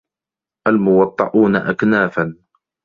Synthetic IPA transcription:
ʔalmʊwɑt̪ˤːɑʔuːnaʔaknaːfan

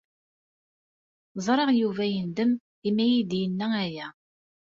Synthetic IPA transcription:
zˤɾˤeʁjuvæjənd̪əm | imæjid̪jənːææjæ

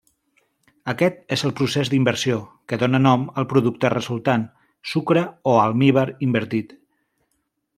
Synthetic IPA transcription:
əkɛt̪ezəlˠpɾusezd̪imbəɾsiokəðonənɔməlˠpɾuðuk̚t̪ərəzulˠt̪an | sukɾəoalˠmiβəɾimbəɾt̪it̪

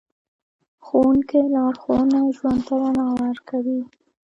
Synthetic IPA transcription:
xowuŋkelɑɾxonaʒwant̪alanɑlɑɾkawi

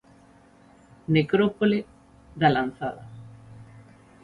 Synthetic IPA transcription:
nekɾopole | ðalan̟θaða

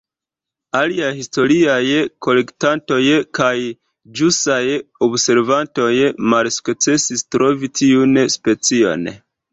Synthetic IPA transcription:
aliajhisto̞ɾiajko̞le̞ktanto̞jkaj | d͡ʒustajobse̞ɾvanto̞jmalsu̥kt͡se̞sistɾo̞vitʰiunspe̞t͡sio̞̰n

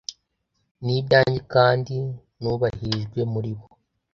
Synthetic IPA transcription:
nibɟaːɲɟikaːndi | nuːβahiʒɡwe̞muɾiβo

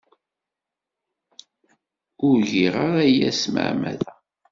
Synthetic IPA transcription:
ʊɾʝiʁəɾæjæ̰smə̰ʕmæ̰ðæ

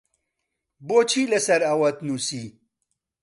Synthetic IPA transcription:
boːt͡ʃʰiːlɐsɐɾɐwɐt̪nuːsiː

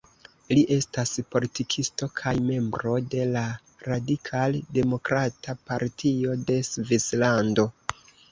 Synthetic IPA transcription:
liʔe̞staspo̞litikʰistokʰajme̞mbɾo̞de̞la | ɾadikʰalde̞mo̞kɾatapaɾtʰio̞de̞svislando̞

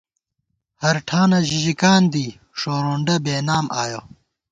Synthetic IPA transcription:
hɐɾʈʰaːnɐʑiʑikaːnd̪iː | ʂoːɾoɳɖɐbeːnaːmʔaːjo

